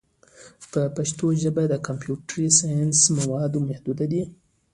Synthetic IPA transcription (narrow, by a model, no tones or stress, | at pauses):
pəpaʃt̪oʒəbad̪əkampjuʈɾisɑjansmawɑd̪omahd̪ud̪ad̪i